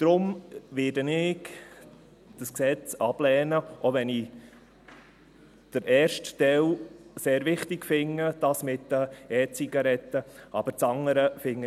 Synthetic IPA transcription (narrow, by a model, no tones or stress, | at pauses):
d̪̥ɾʊmʋɪdənɪɡ | d̥əsksɛt͡sɑb̥lɛːnəʔoʋɛni | d̥əɾɛːɾʃtd̥ɛwseːɾʋɪχt̪ɪkfɪŋːəd̥ɑsmɪt̪ːəɛːt͡siɡ̥ɑɾɛt̪ːəʔɑ̰b̥əɾt͡sɑŋːəɾəfɪŋːə